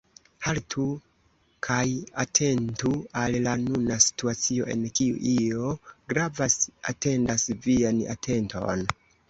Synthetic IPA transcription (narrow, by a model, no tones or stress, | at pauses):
haltʰu | kʰajatʰe̞ntuallanunasi̥tuat͡sio̞̰ʔe̞̰nkiṵʔio̞ɡɾavasa̰te̞ndasviana̰tʰe̞ntʰo̞̰n